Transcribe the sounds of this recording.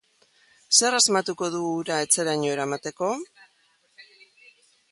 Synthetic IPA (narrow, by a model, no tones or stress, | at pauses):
se̞razmat̪uko̞ðuɣɾae̞t͡se̞ɾaɲoe̞ɾamat̪e̞ko̞